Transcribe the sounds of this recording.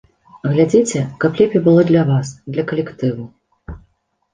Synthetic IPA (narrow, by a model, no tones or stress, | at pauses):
ɣlʲad͡zʲit͡sʲɛkɐplʲɛpʲibɨlˠɔd̪lʲɐvasd̪lʲɐkɐlʲɛkt̪ɨvu